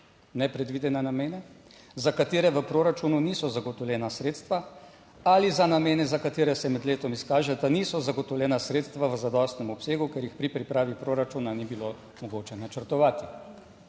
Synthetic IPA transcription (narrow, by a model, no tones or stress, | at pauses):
nɛpɾɛd̪ʋid̪ɛnɛnameːnɛ | zakat̪eːɾɛʋəpɾoːɾat͡ʃununiːsɔzaɡɔt̪ɔwljɛːnasɾeːt̪st̪ʋa | alizanameːnɛzakat̪eːɾɛsɛmɛd̪leːt̪ɔmiskaːʒɛd̪aniːsɔzaɡɔt̪ɔwlʲjɛːnasɾeːt̪st̪ʋaʋəzad̪ɔst̪nɛmɔpseːɡukeɾjixpɾipɾipɾaːʋipɾoːɾat͡ʃunanibilo | mɔɡoːt͡ʃɛnat͡ʃəɾt̪ɔʋaːt̪i